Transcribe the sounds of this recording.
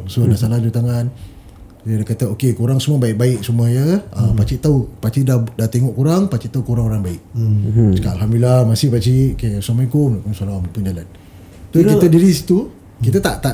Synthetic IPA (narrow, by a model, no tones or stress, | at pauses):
sunasalad͡ʒut̪aŋan | dakat̪aokekuɾaŋsumabaiʔk̚baɪʔsuməjəəpat͡ʃiʔt̪aupat͡ʃidahdaht̪eŋɔʔkuɾaŋpat͡ʃiʔt̪aukuɾaŋoɾaŋbaɪʔ̚sə̥kaʔalɦamdilamasɪhpat͡ʃiʔkesamakomakunsalaampund͡ʒalan | t̪ukit̪ədiɾisi̥t̪u | kit̪at̪aʔt̪aʔ